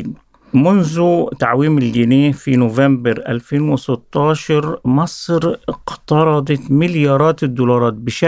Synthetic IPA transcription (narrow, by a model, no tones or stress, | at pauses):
mʊnðʊt̪aʕwiːmɪlɡɪneːhfinʊvambɪɾʔa̰lfeːnwɪsɪt̪ˤːɑːʃɑɾmɑsˤɾɪqt̪ɑɾˤɑd̪ˤɑt̪mɪljɑːɾˤɑːt̪ɪd̪ːuːlɑɾˤɑːt̪̚bɪʃa